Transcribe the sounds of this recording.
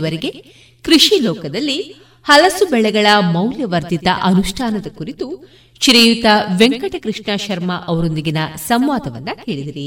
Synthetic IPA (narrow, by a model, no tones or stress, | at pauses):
ʋɐɾiɡe̞ | kɾiʂilɔːkɐd̪ɐlːi | hɐlɐsubɛɭɛɡɐɭɐmɐwljɐʋɐɾd̪it̪ɐ̰ʔɐnuʂʈʰaːnɐd̪ɐkuɾit̪u | ʃɾejut̪ɐʋeŋkɐʈɐkɾɨʂɳaːʃɐɾmɐʔɐʋɐɾo̞nd̪iɡinɐsɐmʋaːd̪ɐʋɐ̰nːɐkeːɭid̪iɾi